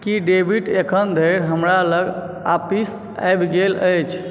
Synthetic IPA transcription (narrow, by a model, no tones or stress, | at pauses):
kiɖebʱiʈekʰənd̪ʱəjɾɦəmɾaləɡ | a̰pis | a̰jbɡeləjt͡ʃʰ